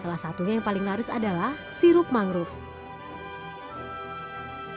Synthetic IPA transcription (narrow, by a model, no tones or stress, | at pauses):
salahsat̪uɲajaŋpalɪŋlaɾʊsadalah | siɾʊp̚maŋɾʊf